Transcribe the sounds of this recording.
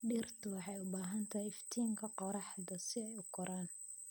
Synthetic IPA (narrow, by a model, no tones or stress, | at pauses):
ɖiːrt̪ʰʊwɑħɑjʊbaːɦɐnt̪ʰɐɦjɪft̪ʰiːŋkʰɐqɔɾɑħd̪ɐsɪɛjʊɡʰɔɾaːn